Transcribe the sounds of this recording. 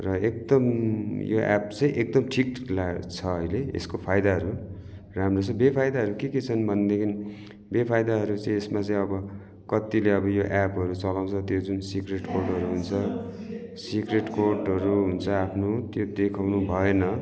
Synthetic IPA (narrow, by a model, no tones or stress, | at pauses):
rʌek̚d̪ʌmjo̰ʔa̰pt͡sʌ̃j̃ʔek̚d̪ʌmʈʰiklat͡sʰʌʌjleḛskopʰajd̪aɦʌɾu | ramrot͡sʰʌbepʰajd̪aɦʌɾukeket͡sʰʌnbʱʌnd̪ekʰini | bepʰajd̪aɦʌɾut͡sʌĩesmat͡sʌ̃ĩʌbʌ | kʌt̪ileʌbʌjoʔapɦʌɾut͡sʌlaw̃t͡sʰʌt̪jod͡zunsikreʈkorʈɦʌɾuɦunt͡sʰʌ | sikreʈkorʈɦʌɾuɦunt͡sʰʌapʰnot̪jod̪ekʰawnubʱʌenʌ